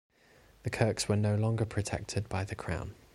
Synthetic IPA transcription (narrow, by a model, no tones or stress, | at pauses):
ðəkʰɜˑkswənəʊlɒ̃ŋɡəpʰɹ̥ətʰɛ̰k̚tʰɪd̚baɪðəkʰɹ̥ã̰ʊ̃n